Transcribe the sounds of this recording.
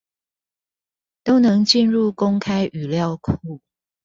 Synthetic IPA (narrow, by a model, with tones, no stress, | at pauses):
t̪o˦ʊnɤ˨˦ŋt͡ɕi˥˧nɻu˥˩ko˥ŋkʰa˥ɪʔy˨˩ljɑ˥˨ʊkʰu˥˨